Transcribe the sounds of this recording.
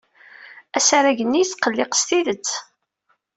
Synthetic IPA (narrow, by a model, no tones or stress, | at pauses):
æsaɾæʝənːijt͡sːqːəlːɪqə̥st̪iðət͡sː